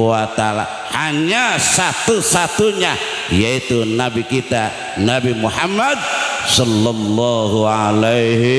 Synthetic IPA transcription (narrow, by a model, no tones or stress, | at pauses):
wat̪aala̰ | haɲasat̪usat̪uɲa | jait̪unabikit̪a | nabimuhamːad̪̚sɔlːɔlːɔɦualejɦ